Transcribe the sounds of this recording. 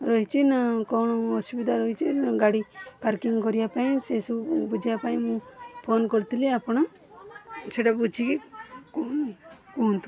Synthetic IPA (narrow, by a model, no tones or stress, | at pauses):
ɾɔɦit͡ʃinakɔɳ̃ɔɔsubid̪ʱaɾɔɦit͡ʃiɡaɽipaɾkiŋkɔɾijapaĩsesubud͡ʒʱijapaĩmũpʰonkɔɾt̪ileapɔɽ̃ɔ | seʈabud͡ʒʰikikun | kuɦnt̪u